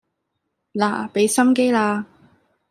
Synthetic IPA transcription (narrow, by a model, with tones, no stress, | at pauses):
la̰ː˨˩pe˨˥jsɐ˥mk̬e˥jlaː˧